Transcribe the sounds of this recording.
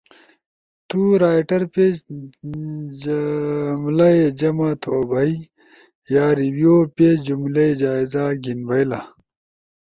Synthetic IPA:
t̪uɾaːjʈɐɾpe | mlɐed͡ʑɐmat̪ʰoːbɐi | jaːɾibijoped͡ʑumlɐed͡ʑaːizaɡinbɐjla

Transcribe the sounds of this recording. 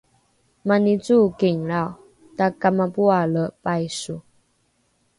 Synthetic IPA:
manit͡sukeŋɺaw | t̪akamapualəpajsu

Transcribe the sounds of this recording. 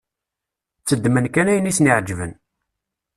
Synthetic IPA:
t͡sːəd̪ːmənkænæjənisnɪʕd͡ʒvən

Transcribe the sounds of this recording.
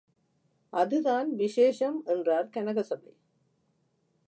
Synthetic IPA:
ʔɐðɯðaːnʋɪʂeːʂɐmɛndraːɾkɐnɐɣɐsɐbɐɪ

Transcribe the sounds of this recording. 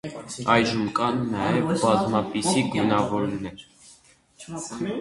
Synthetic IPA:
ɑjʒəmkɑnːɑjɛvbɑzmɑpisiɡunɑvɔɾnɛɾ

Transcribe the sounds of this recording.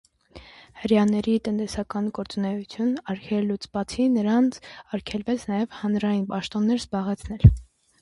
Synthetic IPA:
həɾjɑnɛɾit̪ənt̪ɛsɑkɑnɡɔɾt͡sunɛjut͡sʰjunɑɾkʰɛlːut͡sbɑt͡sʰinəɾɑnt͡sʰɑɾkʰɛlvɛt͡sʰnɑjɛvhɑnɾɑjinpɑʃt̪ɔnːɛɾzbɑʁɛt͡sʰn̪ɛl

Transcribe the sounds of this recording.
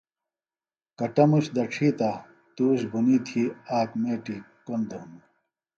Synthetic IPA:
kɐʈɐmuɕd̪ɐʈ͡ʂʰiːt̪a | t̪uːɕbuniːt̪ʰiːaːkmeːʈi | kond̪oun

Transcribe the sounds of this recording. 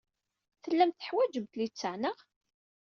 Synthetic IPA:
θəlːæmt̪θə̥ħwæd͡ʒəmt̪lit͡sːəʕnəʁ

